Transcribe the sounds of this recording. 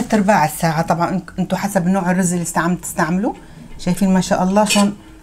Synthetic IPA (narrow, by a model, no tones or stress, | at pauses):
at̪ːɪɾˤbaːʕɪsːaːʕat̪ˤɑbʕɑnʔʔɪnt̪ʊħasabnoːʕɪrːʊzʔɪlːist̪aʕmt̪ɪ̥st̪aʕmɪlu | ʃajfiːnmaʃaːʔɑlˤːɑːʃoːn